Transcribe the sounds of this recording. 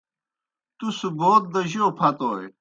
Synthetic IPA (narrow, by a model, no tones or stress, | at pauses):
t̪usuboːt̪̚d̪ɐʑoːpʰɐt̪oːe